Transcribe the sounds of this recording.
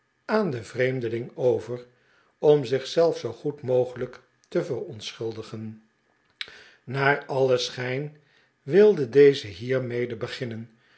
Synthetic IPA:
aːndəvrejmdəlɪŋowvər | ɔmzɪχsɛlˠfsowχutmowχələk | təvərɔntsχɵlˠdəχən | naːɹɑləsχɛjn | ʋɪlˠdədejzəɦiːɹmejdəbəχɪnən

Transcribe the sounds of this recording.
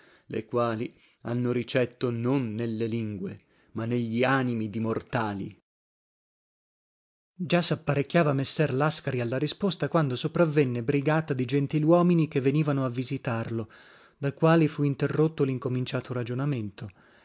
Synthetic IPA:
lḛkwaːli | a̰nːoɾit͡ʃɛt̪ːononːelːeliŋɡwe | manːeʎːiaːnimid̪imort̪aːlḭ | d͡ʒasapːaɾekʲːjaːvamesːɛrlaskaɾialːaɾispost̪akwand̪osopɾavːenːebɾiɡaːt̪ad̪id͡ʒent̪ilwɔːminikevːeniːvanoavːizit̪arlo | d̪ajkwaːlifuint̪erːot̪ːoliŋkomint͡ʃaːt̪ʰoɾad͡ʒonament̪o

